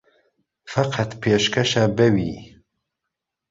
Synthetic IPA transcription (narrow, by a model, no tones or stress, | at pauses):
fɐqʰɑt̪pʰeːʃkʰɐʃabɛwiː